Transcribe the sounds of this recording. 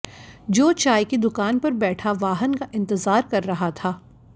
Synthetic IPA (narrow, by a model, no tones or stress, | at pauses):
d͡ʒoːt͡ʃaːjkid̪ʊkaːnpɐɾbɛːʈʰaʋaːɦənkaʔɪ̃nt̪ɪzaːɾkɐɾːɐɦat̪ʰaː